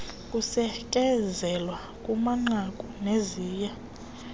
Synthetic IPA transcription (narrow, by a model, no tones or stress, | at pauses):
kʼusɛkʼɛzɛlwa | kʼumaŋ͡ǁakʼuneziːja